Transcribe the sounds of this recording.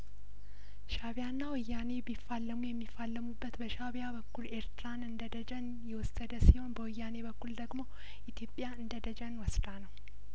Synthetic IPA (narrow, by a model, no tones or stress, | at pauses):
ʃaβjanːawɨjːane̞bifːalːəmujɛmːifːalːəmubːət̪bəʃaβjabəkːuleɾt̪ɾanɨnd̪əd̪əd͡ʒən | jɛwɔsəd̪əsiho̞nbəwɨjːane̞bəkːuld̪əɡmo̞ | ʔit̪ʰjo̞pʼːjaɨnd̪əd̪əd͡ʒənwɔsd̪anəw